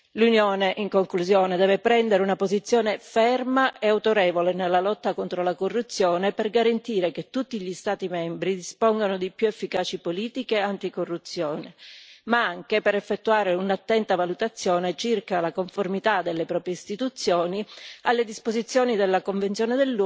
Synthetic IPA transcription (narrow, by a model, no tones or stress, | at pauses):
lunjoːneʔiŋkoŋkluzjoːned̪ɛːvepɾɛnd̪eɾeunapozit̪sːjɔːnefɛrmaʔeawt̪oɾɛːvolenelːalɔt̪ːakont̪ɾolakorːut̪sːjɔːneperɡaɾant̪iːɾeket̪ːut̪ːiʎist̪aːt̪imɛmbɾid̪ispɔŋɡanod̪ipjuefːikaːt͡ʃipoliːt̪ikeant̪ikorːut̪sːjɔːnemaaŋkepeɾɛfːet̪ːuaːɾeunat̪ːɛnt̪avalut̪at̪sːjɔːnet͡ʃirkalakoɱformit̪ad̪elːepɾɔːpɾjeist̪it̪ut̪sːjɔːnialːed̪ispozit̪sːjɔːnid̪elːakoɱvent̪jɔːned̪elː